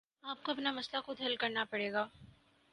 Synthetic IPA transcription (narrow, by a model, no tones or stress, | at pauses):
aːp̚koɐpnamɐslaxʊd̪ʱɦɐlkɐɾnapɐɽeːɡaː